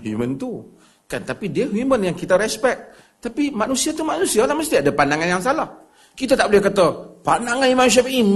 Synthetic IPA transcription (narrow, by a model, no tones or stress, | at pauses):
humənt̪u | kant̪apidiəɦumənjaŋkit̪aɾɛspɛk̚ | t̪apimanusiat̪umanusialahməst̪iadapandaŋanjaŋsalah | kit̪at̪aʔbolɛhkat̪əpandaŋanimanus̬iapʔi